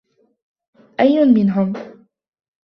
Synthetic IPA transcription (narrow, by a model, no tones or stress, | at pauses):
ʔajːʊnmɪnɦʊm